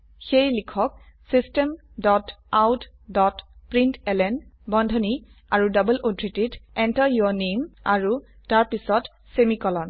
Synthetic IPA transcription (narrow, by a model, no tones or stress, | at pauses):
xejlikʰɔk̚ | sistɛm | dɔtawt | dɔtpɹintɛlɛnbɔndʱɔni | aɹudɔbəlʔodʱɹititɛntaɹjɔnemaɹu | taɹpisɔt | semikɔlɔn